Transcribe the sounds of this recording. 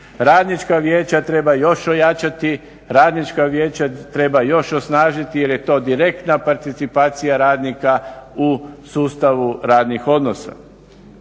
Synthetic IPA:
ɾaːd̪nit͡ʃkaʋje̞ːt͡ɕat̪ɾe̞bajo̞ʃo̞jat͡ʃat̪i | ɾaːd̪nit͡ʃkaʋjeːt͡ɕat̪ɾe̞bajo̞ʃosnaːʒit̪ije̞ɾje̞t̪o̞ːd̪iɾe̞k̚t̪napaɾt̪it̪sipaːt̪sijaɾaːd̪nikausuːst̪aʋuɾaːd̪nixo̞d̪no̞sa̰

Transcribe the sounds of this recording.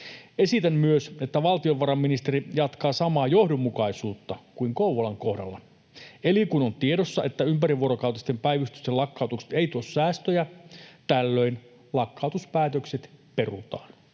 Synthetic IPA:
e̞sit̪æmmyøse̞t̪ːæʋɑlt̪ioʋʋɑɾɑmːinist̪eɾijɑt̪kɑːsɑmɑːjo̞hdomːukɑisuːt̪ːɑkuiŋkouʋolɑŋko̞hdɑ̰lːɑ̰ | elikunont̪iedosːɑʔe̞t̪ːæympæɾiʋuoɾokɑˑwt̪ɑist̪e̞mpæjʋyst̪y̥st̪elɑkːɑˑut̪ukse̥t̪eijt̪uossæːst̪øjæt̪ælːøin | lɑkːɑwt̪uspæːt̪økset̪pe̞rut̪ɑːn

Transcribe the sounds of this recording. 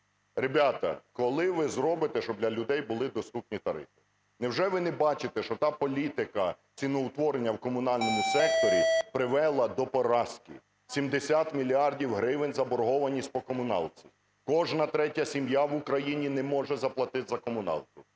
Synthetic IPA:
rebʲat̪ɐ̰kɔlˠɪʋɪzɾɔbɪt̪ɛʃt͡ʃɔbdlʲɐlʲʊd̪ɛjbʊlˠɪd̪ɔst̪upnʲit̪ɐɾɪ̰fɪ̥ | nɛwʒɛʋɪnɛbɑt͡ʃɪt̪ɛʃt͡ʃɔt̪ɑpɔlʲit̪ɪkɐ | t͡sʲinɔʊt̪ʋɔɾenʲːɐwkɔmʊnɑlʲnɔmʊsɛk̚t̪ɔɾʲipɾɪʋɛlˠɐd̪ɔpɔɾɑskʲḭ | sʲimd̪esʲat̪mʲilʲiɑrdʲiwɦɾɪʋenʲzɐbɔɾɦɔʋɐnʲisʲtʲpɔkɔmʊnɑ̰lˠt͡sʲi | kɔʒnɐt̪ɾɛtʲɐsʲimjawʊkɾɐjinʲinɛmɔʒɛzɐplˠɐt̪ɪzɐkɔmʊnɑ̰lˠt̪ʊ

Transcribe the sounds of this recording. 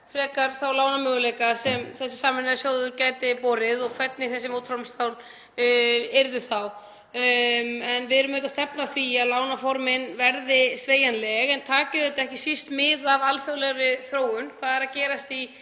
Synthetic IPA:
fɾɛːkaɾ̥θawlaːwnamʏːɣʏleːjkasɛmθɛsːɪ̥saːmɪnaðsjoːwðʏɾcaːjt̪ɪpɔːɾɪðɔɣkʰv̥ɛt̪̚nɪθɛsːɪmoːwt̪fɾawmmst̪awl | eɾðʏθaw | ɛnvɪðɛɾʏmʏːt̪ast̪ɛpnaθviaðlaːwnafɔɾmɪnvɛɾðɪsveːjanlɛɣɛnt̪ʰaːcɪðɛt̪ɛhcɪsist̪mɪðavalfjoɣlɛɣɾʏθɾoːwʏnkʰv̥aːðɛɾacɛːɾast̪i

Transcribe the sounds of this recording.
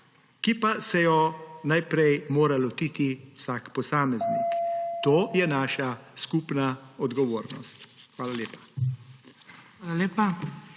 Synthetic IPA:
kipasɛjɔnajpɾɛjmoːɾalɔt̪iːt̪iwsakpɔsaːmɛznḭkt̪oːjɛnaːʃaskupnaɔd̪ɡɔʋoːɾnɔ̰st̪xʋaːlaljeːpḁ | xaːlaleːpa

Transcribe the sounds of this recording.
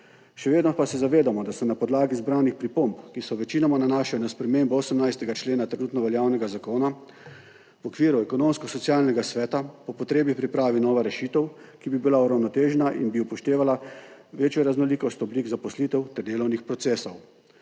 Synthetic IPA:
ʃɛʋeːd̪nɔpasɛzaʋeːd̪amɔd̪asɛnapɔd̪laːɡizbɾaːwnixpɾipompkisɔʋɛt͡ʃiːnɔmananaːʃijnaspɾɛmeːmbɔoːsəmnajst̪ɛɡat͡ʃleːnat̪ɾɛnuːt̪nɔʋɛljaːwnɛɡazakoːna | wɔkʋiːɾuɛkɔnoːmskɔsɔt̪sijaːlnɛɡasʋɛːt̪apɔpɔt̪ɾeːbipɾipɾaːʋinɔːʋaɾɛʃiːt̪ɛw | kibibilauɾawnɔt̪eːʒnaʔḭnbiupɔʃt̪eːʋalaʋeːt͡ʃjɔɾaznɔliːkɔst̪ɔbliːɡzapɔsliːt̪ɛwt̪ɛɾd̪eːlɔwnixpɾɔt̪seːsɔw

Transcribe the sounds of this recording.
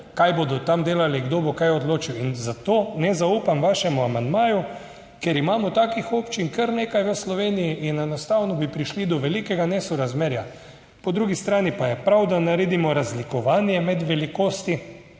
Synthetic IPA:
kajbod̪ɔt̪amd̪eːlaliɡd̪oːbɔkajɔd̪loːt͡ʃiwinzat̪oːnɛzauːpamʋaʃɛmuamand̪maːju | keɾimaːmɔt̪aːkixoːpt͡ʃinkəɾneːkajʋəslɔʋeːnijiʔinɛnɔst̪awnɔbipɾiʃlid̪ɔʋɛlikɛɡanɛsɔɾazmeːɾja | pɔd̪ɾuɡist̪ɾaːnipajɛpɾawd̪anaɾeːd̪imɔɾazlikɔʋaːnjɛmɛd̪ʋɛlikoːst̪i

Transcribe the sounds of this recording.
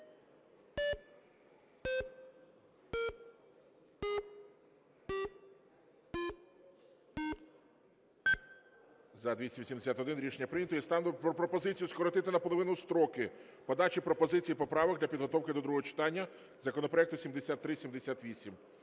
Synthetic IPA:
zɐd̪ʲʋʲisʲimʲʋisʲimd̪esʲat̪ɔd̪ɪnɾʲiʃenʲːɐpɾɪnʲɐt̪ɔjist̪ɑnpɾɔpɾɔpɔzɪt͡sʲijuskɔɾɔt̪ɪt̪ɪnɐpɔlˠɔʋɪnʊst̪ɾɔkɪpɔd̪ɑt͡ʃipɾɔpɔzɪt͡sʲijipɔpɾɑʋɔɡd̪lʲɐpʲid̪ɦɔt̪ɔwkɪd̪ɔd̪ɾuɦɔɦɔt͡ʃɪ̥t̪ɑnʲːɐ | zɐkɔnɔpɾɔɛk̚t̪ʊsʲimd̪esʲat̪ːɾɪsʲimd̪esʲat̪ʋʲisʲim

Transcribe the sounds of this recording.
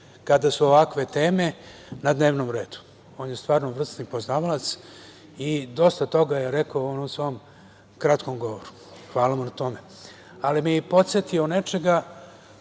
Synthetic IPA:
kad̪asuoʋakʋe̞t̪e̞ːme̞nad̪neːʋnomɾe̞ːd̪u̥ | o̞ːnjest̪ʋaːɾnovr̩st̪nipo̞znaːʋalat̪s | id̪o̞st̪at̪o̞ɡajeɾekaoonomsʋo̞om | kɾat̪ko̞mɡo̞ʋoɾu̥ | xʋaːlaʋonat̪o̞me̞ | alimipo̞t̪sjet̪io̞ne̞t͡ʃe̞ɡa

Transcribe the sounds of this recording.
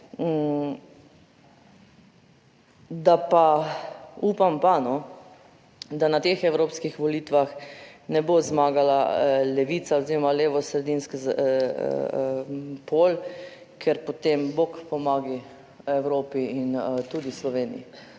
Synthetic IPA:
d̪apa | uːpampanɔ | d̪anat̪eːxɛwɾoːpskixʋɔliːt̪ʋaxnɛbozmaːɡalalɛʋit̪saoziɾɔmaleːʋɔsɾɛd̪inskz | pʰoːl | kʰɛɾpɔt̪embokpɔmaːɡi | ɛwɾoːpiint̪uːd̪islɔʋeːnḭjḭ

